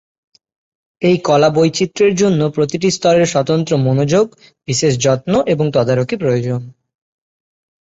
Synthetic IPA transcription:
ejkɔlabojt͡ɕit̪ːɾeɾd͡ʑonːopɾot̪iʈ̬ist̪ʰɔɾeɾʃɔt̪ont̪ɾomonod͡ʑoɡ | b̥iʃeʃ̬d͡ʑɔt̪noʔeboŋt̪ɔd̪aɾokipɾojod͡ʑon

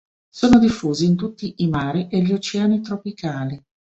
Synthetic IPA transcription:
soːnod̪ifːuːziːnt̪̬ut̪ːiʔːmaːɾiʔeʎːot͡ʃɛanit̪ɾopikaːli

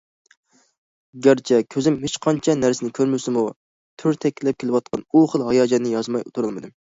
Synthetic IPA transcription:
ɡʲæɾt͡ʃʰɛkʲʰøzɪmɦɪt͡ʃqʰɑnt͡ʃʰɛnæɾsɪnɪkʲʰøɾmɪsɪmu | t̪ʰyɾt̪ʰɛkʲʰːlɛp̚kʲʰelɪwɑt̪̚qʰɑnuχəlˠɦɑjɑːd͡ʒɛnːɪjɑzmɑjut̪ʰuɾɨlˠmɨd̪ɨm

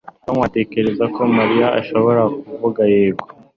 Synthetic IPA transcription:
tamwate̞ke̞ɾe̞zako̞maɾijaʔaʃo̞βo̞ɾakuvuɡaje̞ːɡɡo

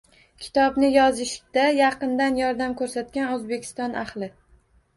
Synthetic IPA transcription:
kʲʰɪ̥t̪ʰɒbnɪjɒzɪʃd̪̥ajɑqɨnd̪anjɒɾd̪amkʰɵɾsat̪̚kʲanɵzbe̞kʲʰɪ̥st̪ɒnʔaχlˠɪ

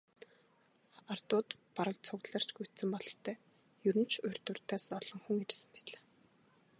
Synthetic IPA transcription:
art̪ʊːt̪paɾə̆k̚t͡sʰʊɣt̪ɮə̆r̥t͡ɕɡujʰt̪sɘ̆mpɔɮɞ̆t̪ʰːœː | jɵɾɘ̆nt͡ɕʰʊ̟r̥ʲt̪ɵ̆rt̪aːsɔɮ̥ɞ̆ŋxuŋirsɘ̆mpæːɮaː

